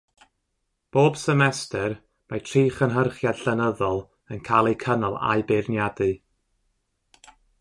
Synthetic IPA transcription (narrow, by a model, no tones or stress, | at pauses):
b̥oːb̥səmɛstʰɛr | majtʰriːχənɦərχjadɬənəðɔlˠ | ənkʰalˠikʰənɔlˠa̰ɨbɪrnjadɨ